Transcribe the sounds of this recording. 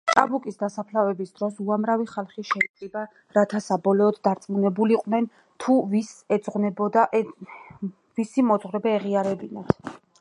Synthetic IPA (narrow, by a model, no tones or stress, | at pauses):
t̪ʼabukʼisd̪asapʰlavɛbisd̪ɾɔsuamɾaviχalˠχiʃɛikʼiba | ɾat̪ʰasabɔlɔːd̪ːaɾt̪sʼmunɛbuliqʼnɛn | t̪ʰuvisɛd̪z̥ʁnɛbɔd̪aʔ | visimɔd̪zʁɾɛbɛːʁiaɾɛbinat̪ʰ